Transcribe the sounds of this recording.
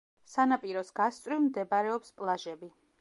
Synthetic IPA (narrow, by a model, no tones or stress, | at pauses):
sanapʼiɾɔsɡ̥ast̪sʼɾivmd̪ɛbaɾɛɔpspʼlˠaʒɛbi